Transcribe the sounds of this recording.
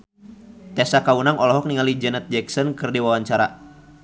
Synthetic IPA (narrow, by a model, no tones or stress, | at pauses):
t̪ɛsakaunaŋɔlɔɦɔk̚niŋalid͡ʒənɛt̪̚d͡ʒɛksɔnkɨrdiwawaɲt͡ʃaɾa̰